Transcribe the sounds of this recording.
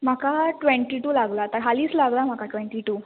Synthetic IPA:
m̤akaʈʋeɳʈiʈuːlaɡlat̪əɾɦaliːslaɡlam̤akaʈʋeɳʈiʈuː

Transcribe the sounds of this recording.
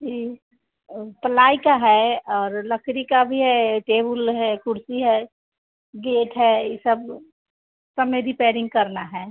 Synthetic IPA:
d͡ʒiː | t̪ɐlaːikaɦɛɔːɾlɐkʰɾikabʱiɦɛʈeːbəlɦɛkʊɾsiɦɛ | ɡeːʈɦɛesəb | sɐmeɾipɛːɾɪ̃ŋɡ̚kɐɾnaɦɛː

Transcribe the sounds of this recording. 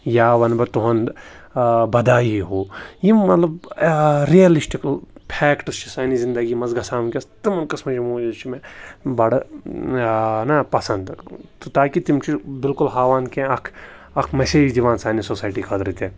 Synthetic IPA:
jaːʋɐnbɐt̪uɦɐn | bɐd̪aːiɦoːjimɐt̪lɐb̚ | ɾiɐlisʈiklpʰɛːkʈst͡ʃʰi̥saːnizɪ̃nd̪ɐɡimɐzɡɐsaːmkʲɐst̪imɐnkɐsmɐt͡ʃimuːd͡ʒɐzt͡ʃʰimẽbɐɽ | nɐpɐsɐnd̪t̪ot̪aːkit̪imt͡ʃʰibɪlkʊlɦaːʋaːnkẽɐkʰ | ɐkʰmɛseːd͡ʒd̪iʋaːnsaːnisoːsaːjʈikʰɐd̪ɾit̪ẽ

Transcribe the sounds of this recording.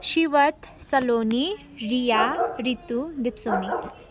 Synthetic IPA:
ɕiʋət̪səloni | ɾijaɾit̪ud̪ipsoni

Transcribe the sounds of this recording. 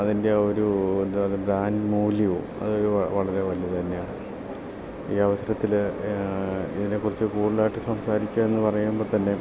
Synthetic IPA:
ɐðinde̞oɾud̪ɐðɨbɾaːndmuːliʋṵ | ɐ̰ðɨoɾuɐʋɐɭɐɾe̞ʋɐlijɐt̪ɐnːe̞jaːɳɨ | iːɐʋɐsɐɾɐt̪ːil | ḭðinekːurit͡ɕːɨkuːɽilaːjiʈːɨsɐmsaːɾikʲːaːme̞nːɨpɐrɐjumbo̞ːɭt̪ɐnːe̞

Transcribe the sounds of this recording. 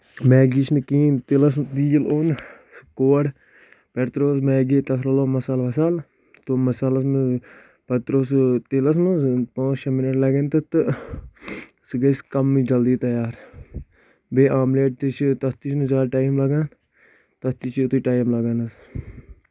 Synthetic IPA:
mɛ̃ːɡit͡ʃʰnɨkiːnt̪elɐs̬mt̪iloːn | skoːɽ | pɛʈt̪ɾoːsmɛ̃ːɡet̪ɐsʰɾɐloːmɐsaːlʋɐsaːl | t̪omɐsaːlɐsmɨ | pɐt̪ɾoːst̪elɐs̬mɨspãːt͡ʃʰɐmɪneʈlɐɡent̪ɐt̪ɨ | sɨɡɐskɐmːid͡ʒɐld̪iːt̪ɐjaːɾ | beːʔaːmleːʈ̚t̪it͡ʃʰit̪ɐst̪it͡ʃʰnuzaːɾʈaːimlɐɡaːn | t̪ɐst̪it͡ʃʰit̪iʈaːjmlɐɡaːnɐs

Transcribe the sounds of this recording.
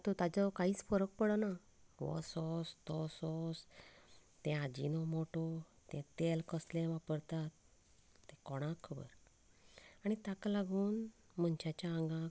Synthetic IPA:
t̪ot̪ad͡zɔkaɦiːt͡sfəɾək̚pəɽəna | ʋɔ̰sɔst̪ɔsɔs | t̪ɛ̃ad͡ʑḭnɔmoʈɔ | t̪ɛ̃t̪elkəslẽʋapəɾt̪at̪ː | ɛ̃kɔɽ̃ãkʰːəbə̰ɾ | aɽ̃it̪aklaɡuːn | m̤ənt͡ɕat͡ɕãŋɡã

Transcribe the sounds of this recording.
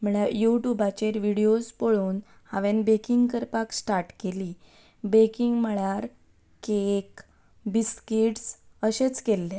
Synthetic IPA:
m̤əɭajuʈjubat͡ɕeɾʋiɽiospoɭuːn | haʋẽnbekiŋɡkəɾpaksʈaɾʈkeliː | bekiŋɡməɭjaɾ | kek | biskeʈsəɕet͡skelːe

